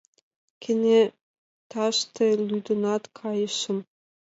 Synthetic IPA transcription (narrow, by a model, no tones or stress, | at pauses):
kʰɘ̆nʲe | t̪ɑʃt̪elʲyd̪ɤ̆nɑt̪kʰɑjɤ̆ʃɤ̆m